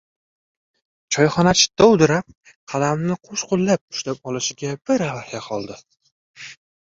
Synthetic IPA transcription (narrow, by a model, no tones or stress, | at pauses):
t͡ʃʰɒjχɒnat͡ʃʰɪ̥t̪ːɒwd̪ɪɾap̚ | qʰɑlamnɪqʰoʃqʰʊlˠːap̚ʊ̥ʃlap̚ɒlɪʃɪɡʲab̥ɪɾavahjaqʰɒlˠd̪ɪ